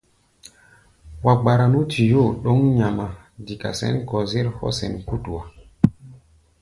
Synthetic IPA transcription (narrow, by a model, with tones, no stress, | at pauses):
wa˨ɡ͡ba˨ɾa˨nu˦tʰi˨jo˦˨ɗo˦ŋɲa˨ma˨ | di˨ka̰˨sɛ̰˦nkɔ˨ze˦ɾhɔ̰˦sɛ˨nku˦tu˨wa˨